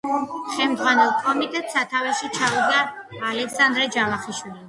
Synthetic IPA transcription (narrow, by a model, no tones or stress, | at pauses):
χɛmd̪zʁwanɛlˠkʼɔmit̪ʼɛt̪ʼsat̪ʰavɛʃit͡ʃʰauɡaːlɛksand̪ɾɛd͡ʒalˠaχiʃwili